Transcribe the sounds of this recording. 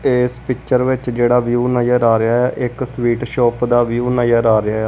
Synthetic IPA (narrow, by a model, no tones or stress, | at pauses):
eːspɪkt͡ʃəɾʋɪt͡ʃd͡ʒeːɽaːʋjuːnəjəɾaːɾɪaːɛːʔɪksʋiːʈʃɔːpd̪aːʋjuːnəjəɾaːɾɪaːɛ